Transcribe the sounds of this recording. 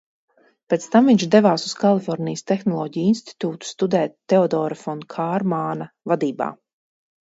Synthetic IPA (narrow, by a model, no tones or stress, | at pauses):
pɛt̪st̪amviɲt͡ʃd̪ɛvaːsuskalˠifɔɾnijəst̪exnɔlˠɔːɟijinst̪i̥t̪uːt̪u̥st̪ud̪ɛːt̪ːeɔd̪ɔːɾafɔnkʰaːɾmaːna | vad̪iːba̰ː